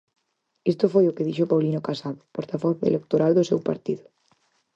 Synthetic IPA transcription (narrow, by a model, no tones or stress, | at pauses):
ist̪ʊfojʊkeð̞iʃopawlinokasaðʊpoɾt̪aβoθḛlek̚t̪oɾald̪ʊsewpa̰ɾt̪iðʊ